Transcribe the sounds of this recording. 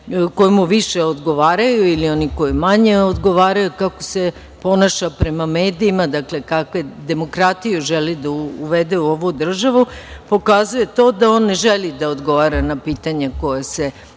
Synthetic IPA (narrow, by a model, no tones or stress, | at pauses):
ko̞jimuʋiʃeod̪ɡo̞ʋaːɾajuilioniko̞jimaɲe̞od̪ɡo̞ʋaːɾajukako̞̥se̞ | po̞naʃapɾe̞mameːd̪iːmad̪akle̞kakʋe̞d̪e̞mo̞kɾat̪ijuʒelid̪auʋed̪euoʋud̪r̩ʒaʋupo̞kazuje̞t̪o̞ːd̪ao̞ːnːeʒelid̪aod̪ɡo̞ʋaɾanapiːt̪aɲeko̞jese̞